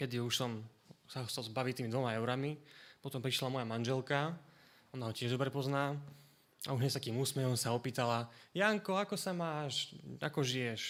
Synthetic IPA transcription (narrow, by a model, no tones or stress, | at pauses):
kɛd̪iuʃsɔm | saɔxt͡sɛlzbaʋict̪iːmid̪ʋɔmaɛʊɾamipɔt̪ɔmpɾiʃlamɔjamanʒɛlka | ɔnaɦɔcɪɛʒd̪ɔbɾɛpɔznaː | a̰uʒɦɲɛst̪akiːmuːsmɛɦɔmsaɔpiːt̪alajaːŋkɔakɔsamaːʃa̰kɔʒijɛʃ